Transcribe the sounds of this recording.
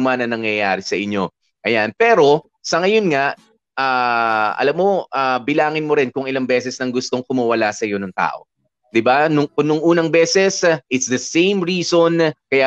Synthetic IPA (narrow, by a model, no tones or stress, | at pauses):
manɐŋnɐŋjɐjaːɾɪsɐʔɪɲːo̞ | ʔɐjanpɛːɾo̞ | sɐŋɐjo̞nŋaʔ | ʔaːʔɐ̰lamːo̞ʔaːbɪlaːŋɪnmo̞ɾɪnkʊŋɪlɐŋbɛsɛsnɐŋɡʊst̪o̞ŋkʊmɐwɐlasɐjo̞nɐŋt̪a̰ːʔo̞ | d̪ɪbanʊŋkʊnʊŋʔuːnɐŋbɛːsɛsʔɪt̪sd̪ɐsẽjmɹiːso̞nkɐja